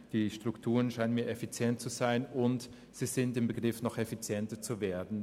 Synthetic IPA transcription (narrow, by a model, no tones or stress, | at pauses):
d̥iːʃtʁ̥ʊktʰuːʁənʃaɪnənmiːɐefit͡sjɛnt̚t͡suzaɪnʊnt | z̥iːzɪntɪmbəɡʁɪfnɔχefit͡sjɛntɐt͡suveːɐdn̩